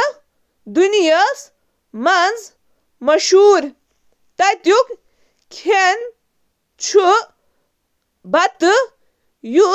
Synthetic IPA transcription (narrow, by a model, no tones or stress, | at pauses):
d̪unijəs | mand͡z | mɐʃuːɾ | t̪ɐjt̪juk | kʲʰen | t͡ɕʰu | bɐt̪ɨ | ju